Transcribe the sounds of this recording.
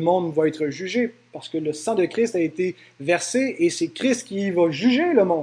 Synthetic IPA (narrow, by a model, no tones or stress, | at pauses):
əmɔ̃d̪vwaɛt̪χəʒyʒepaʁsə̥kələsɑ̃d̪əkʁist̪aet̪e | vɛʁseesɛkʲχɪst̪kʲivaʒyʒeləmɔ̃d̪